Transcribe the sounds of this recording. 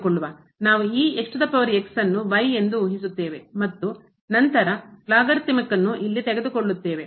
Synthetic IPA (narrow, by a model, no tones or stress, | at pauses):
koɭːuʋa | naːʋuiːeʂʈɐd̪ɐpːɐʋɐɾieksɐnːuʋɐje̞nd̪uuɦisut̪ːe̞ːʋe̞mɐt̪ːu | nɐnt̪ɐɾɐlaːɡɐɾt̪ːimɐkːɐnːuʔilːit̪ɛɡed̪ukoɭːut̪ːe̞ːʋe